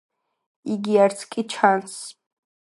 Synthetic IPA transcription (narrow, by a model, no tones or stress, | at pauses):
iɡiaɾt̪sʰkʼit͡ʃʰans